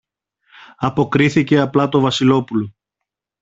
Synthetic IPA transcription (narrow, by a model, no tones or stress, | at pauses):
ɐpo̞kɾiθice̞ɐplɐt̪ovɐsilo̞pulo